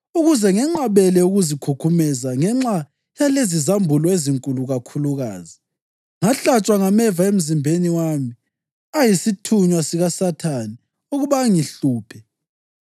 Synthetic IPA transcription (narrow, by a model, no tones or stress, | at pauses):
uɣuzɛŋɛŋ͡ǁaβɛlɛuɣuzikʰukʰumɛzaŋɛŋ͡ǁa | jalezizambʱulɔeziŋkʼuluɣakʰuluɣa̰ːzi | ŋaɬat͡ʃʼwaŋamɛvaem̩zimbʱeniwami | ajisitʰuɲwasiɣasatʰani | uɣuβaŋiɬuːpʰɛ